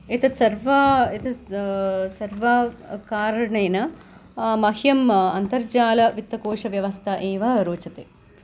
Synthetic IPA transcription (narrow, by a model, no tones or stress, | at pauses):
it̪ɐsɐɾʋɐit̪ɐ | sɐɾʋɐkaːɾɐɳɐjnɐ | mɐhjɐmɐnt̪ɐɾd͡ʒaːlɐʋit̪ːɐkoːʂɐʋjɐʋɐst̪ʰɐʔeːʋɐɾoːt͡ʃɐt̪e